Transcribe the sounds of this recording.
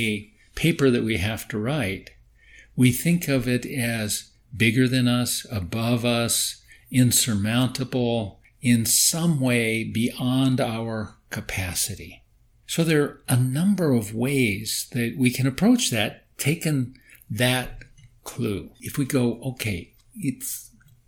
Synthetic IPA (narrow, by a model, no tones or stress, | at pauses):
ɨ | pʰeɪpə˞ðɨʔ̚wiɦæftʰɨɹaɪt̚ | wiθɪ̃ŋkʰʌvɪɾɨz | bɪɡə˞ðɨ̃nʌsəbʌvʌsɪ̃nsə˞mãʊ̃ntʰəbl̩ˠ | ɪ̃nsʌ̃mweɪbiʔɑ̃ndaʊə˞kʰɨpʰæsɨɾḭ | soʊðə˞ʔənʌ̃mbə˞ʌvweɪz̥ðɨt̚wikʰɨ̃ñɨpʰɹ̥oʊt͡ʃðɨtʰeɪkɨ̃nðɨt̚kʰl̥uɨfwiɡoʊʔoʊkʰeɪ | ɪts